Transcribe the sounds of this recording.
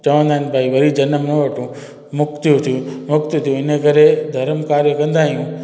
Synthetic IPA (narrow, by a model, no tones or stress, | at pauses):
t͡ɕɐʋə̃nd̪aɦɪnpaːiʋɐɾid͡ʑɐnəmnɐʋɐʈũ | mʊkt̪ʰijũt̪ʰijũmʊkt̪t̪ʰijũɪnəkɐɾed̪ʱɐɾəmkaːɾjəkɐ̃nd̪aːɦijũː